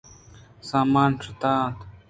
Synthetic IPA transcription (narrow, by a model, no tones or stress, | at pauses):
saːmaːnʈ͡ʂʰɐt̪aːt̪